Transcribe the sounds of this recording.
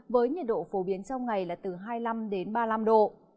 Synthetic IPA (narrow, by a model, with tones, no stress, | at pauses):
vəː˨˦jɲə˨˩t̚ɗo̰˧˨fo˨˦ɓi˨˦ənsa˧wŋa˨˩jlaː˨˩t̪ɨ˨˩ɦaː˧jla˧mɗe˨˦nɓaː˧la˧mɗo̰˧˨